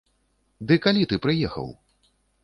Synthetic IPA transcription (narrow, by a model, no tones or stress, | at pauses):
d̪ɨkalʲit̪ɨpɾɨjɛxɐ̰w